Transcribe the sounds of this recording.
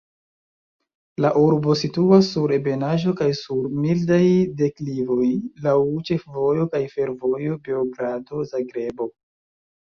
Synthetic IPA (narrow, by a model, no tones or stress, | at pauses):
laʔuɾbo̞situasːuɾe̞be̞naʒo̞kajsuɾmildajde̞klivo̞jlawt͡ʃe̞fvo̞jo̞kajfe̞ɾvo̞jo̞beoɡɾado̞zaɡɾe̞bo̞